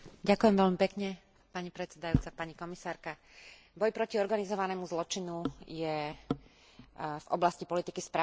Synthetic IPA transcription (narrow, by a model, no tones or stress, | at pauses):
ɟakʊjɛmʋɛlmipɛkɲɛ | paɲipɾɛt̪sɛd̪ajuːt͡sapaɲikɔmisaːɾka | bɔjpɾɔciɔɾɡanizɔʋanɛːmuzlɔt͡ʃinujɛ | vɔ̰blascipɔlit̪ikispɾa